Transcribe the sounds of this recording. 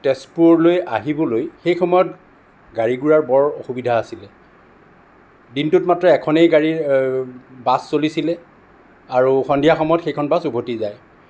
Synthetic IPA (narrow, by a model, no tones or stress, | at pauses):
tɛspuɹloja̰ɦibɔlojxejxɔmɔjɔt̚ | ɡaɹiɡuɹaɹbɔɹɔxubidʱaːsilɛ | dintutmatɹɔɛkʰɔnejɡaɹi | basːolisilɛ | aɹuxɔndʱijaxɔmɔjɔtxejkʰɔnbasubʱotizaj